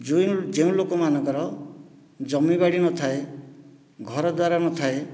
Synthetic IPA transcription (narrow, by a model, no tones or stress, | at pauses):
d͡ʒujd͡ʒeũlokomanʌ̃ŋkɔɾɔ | d͡ʒɔmibaɽinɔt̪ʰae | ɡʱɔɾɔd̪waɾanɔt̪ʰae